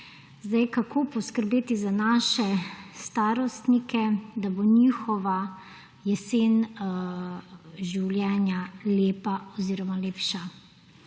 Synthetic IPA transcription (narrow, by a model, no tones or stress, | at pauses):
zd̪ajkakʰoːpɔskəɾbeːt̪izanaʃɛst̪aːɾɔst̪nikʰɛd̪aboniːxɔʋa | jɛseːn | ʒiwljɛːnjaleːpaɔziːɾɔmaleːpʃa